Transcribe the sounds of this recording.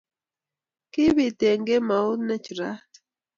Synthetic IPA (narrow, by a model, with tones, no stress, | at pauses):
kɪ˦bi˨te˨ŋɡe˦ma˨u˦nɛ˦t͡ʃɾa˦